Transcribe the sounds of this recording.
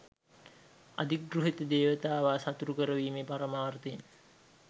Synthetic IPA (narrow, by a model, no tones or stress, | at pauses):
a̰d̪ik̚ɡruɦit̪əd̪eːʋət̪aːʋaːsat̪uɾukəɾəʋiːmepaɾəmaːrt̪en